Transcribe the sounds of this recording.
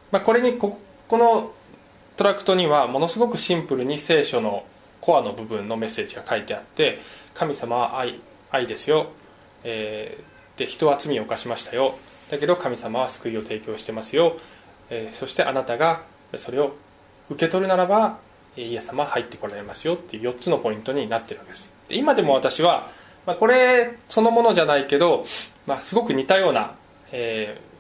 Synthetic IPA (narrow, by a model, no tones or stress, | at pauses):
mako̞ɾe̞ɲ̟iko | ko̞no̞ | t̪o̞ɾakɯ̥t̪o̞ɲ̟iβamo̞no̞sɨɡo̞kɯ̟ɕĩmpɯ̟ɾɯ̟ɲ̟ise̞ːɕo̞no̞ | ko̞βano̞bɯ̟bɯ̟̃nːo̞me̞se̞ːd͡ʑiɡakait̪e̞at̪ːe̞kʰamʲisamaβ̞aʔai | aid̪e̞sɨjo̞ | eː | d̪̥e̞çi̥t̪o̞βat͡sɨmʲio̞kaɕimaɕi̥t̪ajo̞ | d̪̥ake̞d̪o̞kamʲisamaβ̞asɨ̥kɯ̟io̞t̪ʰe̞ːkʲo̞ːɕi̥t̪e̞masɨjo̞ | eːso̞ɕi̥t̪e̞ʔa̰nat̪aɡa | so̞ɾe̞o̞ | ɯ̟ke̞t̪o̞ɾɯ̟naɾaba | eːije̞sɨ̥ːamahait̪ːe̞ko̞ɾaɾe̞masɨjo̞t̪ːe̞iɯ̟ːjo̞tt͡sɨno̞po̞ĩnt̪o̞ɲ̟inat̪ːe̞ɾɯ̟ɡ̪esɨ̥d̪̥e̞imad̪e̞mo̞βat̪aɕiβa | mako̞ɾe̞so̞no̞mo̞no̞ʑanaike̞d̪o̞masɨɡo̞kɯ̟ɲ̟it̪ajo̞ːna̰ | eː